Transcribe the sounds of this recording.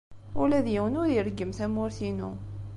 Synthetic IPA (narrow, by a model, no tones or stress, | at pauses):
ʊlæðjiwənʊɾiɾɡːəmθæmʊɾθinṵ